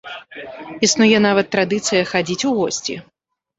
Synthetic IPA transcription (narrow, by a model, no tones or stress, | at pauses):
isnujɛn̪avɐt̪ːɾad̪ɨt̪sɨjɐxad͡zʲit͡sʲuɣɔsʲt͡sʲḭ